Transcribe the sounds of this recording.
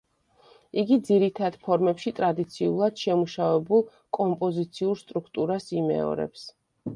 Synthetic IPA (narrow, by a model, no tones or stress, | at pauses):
iɡid̪ziɾit̪ʰad̪̥pʰɔɾmɛpʃit̪ʼɾad̪it̪sʰiulˠad̪̥ʃɛmuʃavɛbulˠ | kʼɔmpʼɔzit̪sʰiuɾst̪ʼɾukʰt̪ʼuɾasimɛ̰ɔ̰ɾɛ̰ps